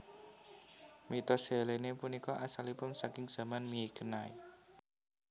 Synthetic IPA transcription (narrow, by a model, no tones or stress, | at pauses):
mit̪ɔselenepunikɔʔasalipʊnsakɪŋz̥a̤manmijekənai